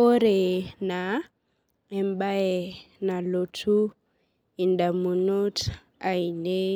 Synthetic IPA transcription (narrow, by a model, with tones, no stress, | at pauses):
o˦ɾɛ˨na˨ | ɛ˨mba˦ɛ˨na˨lo˨tʰu˦ | i˨nda˨mu˨nu˦tʰ | a˨i˨ne˦